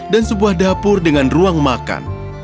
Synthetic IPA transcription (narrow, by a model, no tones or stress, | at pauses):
dansəbuahdapʊrdəŋanruaŋmaka̰n